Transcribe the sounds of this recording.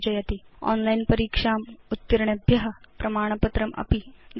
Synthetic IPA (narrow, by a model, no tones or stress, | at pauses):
d͡ʒɐjɐt̪iɔ̰ːnlainpɐɾiːkʂaːmut̪ːiɾɳɐbʱjɐɦɐpɾɐmaːɽ̃ɐpɐt̪ɾɐmɐ̰pin